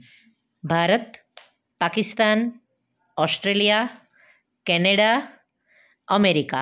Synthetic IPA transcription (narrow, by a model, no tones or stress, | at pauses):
bʱaɾət̪ | pakist̪an | osʈɾelija | kɛneɽa | əmeɾika